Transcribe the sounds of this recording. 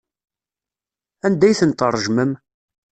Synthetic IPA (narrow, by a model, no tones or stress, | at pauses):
ænd̪æjθənt̪ərˤːəʒməm